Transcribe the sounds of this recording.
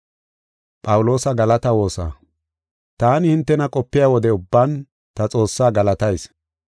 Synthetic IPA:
pʼɐwʊlo̞ːsɐɡɐlɐt̪ɐwo̞ːsa̰ː | t̪aːnɪhɪnt̪ːɛnɐkʼɔpːɪjaːwɔd̪ɛʊbːan | t̪ɐt͡sʼo̞ːsːaːɡɐlɐt̪ɐjs

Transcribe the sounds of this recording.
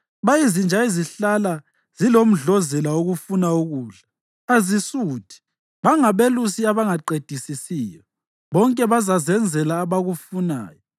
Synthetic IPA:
βajizind͡ʒʱaiziɬala | z̥ilom̩ɮɔzɛlauɣufunauɣuːɮḁ | azisuːtʰi̥ | βaŋaβelusiaβaŋaǃed̥ʱisisiːjɔ | βɔŋkʼɛβazazɛnd͡zʱɛlaːβaɣufuna̰ːjɔ

